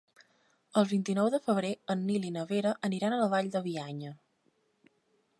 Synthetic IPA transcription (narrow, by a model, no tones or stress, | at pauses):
əlˠβint̪inɔwðəfəβ̞ɾeənːilinəβeɾəʔəniɾanələβaʎd̪əβiaɲə